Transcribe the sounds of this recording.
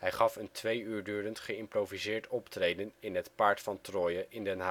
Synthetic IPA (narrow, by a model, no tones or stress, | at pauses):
ɦɛjχɑfəntʋejyːɹdyːɾəntχəɪmprowvizɪːɹtɔptrejdənɪnɦətpaːɹtfɑntrɔːjəʔɪndɛnɦa